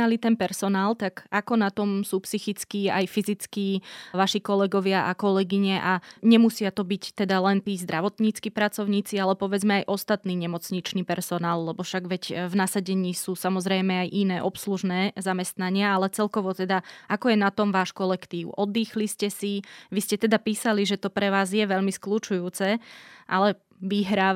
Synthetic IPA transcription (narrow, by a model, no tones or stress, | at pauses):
alit̪ɛnpɛɾsɔnaːlt̪aɡakɔnat̪ɔmsuːpsixit͡skiːa̰jfizit͡skiːʋaʃikɔlɛɡɔʋɪaʔakɔlɛɡiɲɛʔaɲɛmusɪat̪ɔbict̪ɛd̪alɛnt̪iːzd̪ɾʔaʋɔt̪ɲiːt͡skipɾat͡sɔʊɲiːt͡sialɛpɔʋɛd͡zmɛajʔɔst̪at̪niːɲɛmɔt͡sɲit͡ʃniːpɛɾsɔnaːlːɛbɔfʃaɡʋɛcvnasaɟɛɲiːsuːsamɔzɾɛjmɛajʔinɛːʔɔpsluʒnɛːzamɛst̪naɲɪaalɛt͡sɛlkɔʋɔt̪ɛd̪aʔakɔjɛnat̪ɔmʋaːʃkɔlɛkt̪iːʊʔɔd̪ːiːxliscɛsiʋiscɛt̪ɛd̪apiːsaliʒɛt̪ɔpɾɛʋaːzjɛʋɛʎmisklut͡ʃujuːt͡sɛʔa̰lɛ | ʋiɦɾaː